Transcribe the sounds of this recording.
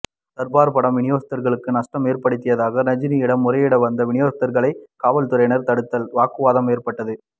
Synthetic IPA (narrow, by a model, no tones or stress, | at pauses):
t̪ɐɾbaːɾpɐɽɐmʋɪɳɪjoːst̪ɐɾɣɐɭɯkːɯnɐʂʈɐmeːɾpɐɽɯt̪ːɪjɐðaːɣɐnɐɲd͡ʒɪniɪɽɐmːʊɾɐjɪɽɐʋɐnd̪ɐʋɪɳɪjoːst̪ːɐɾɣɐɭɐɪkaːʋɐlt̪ɯɾɐɪnɐɾt̪ɐɽɯt̪ːɐlʋaːkɯʋaːðɐmeːɾpɐʈːɐðɯ